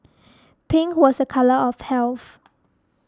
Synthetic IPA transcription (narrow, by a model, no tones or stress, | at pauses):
pʰɪ̃ŋwɔsəkʰaləɔfhɛlθ